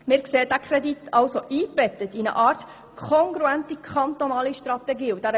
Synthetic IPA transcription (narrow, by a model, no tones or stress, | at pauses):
mɪːɾkseːəd̥̪ækʰɾɛd̪it̪ʰɑlsoʔiːb̥ɛt̪ət̪inə̰ʔɑːɾt | kʰɔŋɡɾuænt̪ikʰχɑnt̪onɑːliʃtɾɑt̪ɛɡiːud̥æɾə